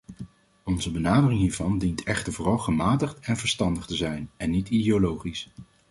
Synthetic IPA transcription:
ɔnzəbənaːdərɪŋɦiːɹvɑndintɛχtəɹvʊːrɑlˠχəmaːtəχtɛnvəɹstɑndəχtəzɛjnɛnːitidiolowχis

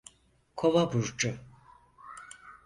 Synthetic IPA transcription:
kʰovabuɾd͡ʒu

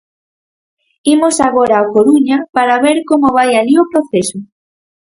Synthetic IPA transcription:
imosaɣoɾaːkoɾuɲɐpaɾaβeɾkomoβajaʎiopɾoθesʊ

